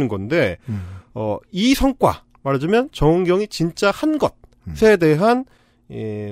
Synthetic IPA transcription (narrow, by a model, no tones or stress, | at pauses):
nɯnɡʌnde̞ | ʌisʰʌŋk͈wa̰ | maɾd͡ʑamjʌnt͡ɕʌɯŋɡjʌŋit͡ɕint͡ɕ͈ahanɡʌt̚ | sʰe̞de̞ɦan